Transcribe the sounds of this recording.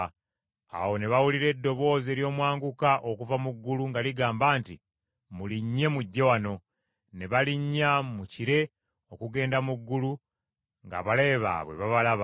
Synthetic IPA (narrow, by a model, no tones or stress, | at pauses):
a̰wo̞neβawuliɾe̞dːo̞βo̞ːze̞ːljo̞ːmwaːŋɡukaʔokuvamuɡːuluŋɡaliɡaːmbaːnti | muliɲːe̞muɟːewano̞ | ne̞βaliɲːamuciɾe̞ | o̞kuɡe̞ːndamuɡːulu | ŋɡa̰βale̞ːβa̰βwḛβaβalaβa